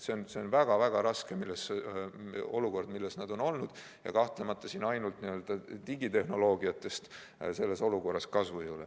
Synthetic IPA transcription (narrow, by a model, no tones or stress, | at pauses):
se̞onse̞o̞nvæɡ̥ɑvæɡ̥ɑɾɑske̞milːese | o̞̰luko̞rd̪̥milːesnɑd̪̥o̞no̞lnud̪̥ | jɑ̰kɑht̪lemɑt̪ˑːɑsinɑjnult̪niø̞ld̪̥ɑt̪iɡit̪e̞hno̞lo̞ːɡiɑt̪ːˑe̞st̪ | se̞lːe̞so̞luko̞rːɑskɑsvujule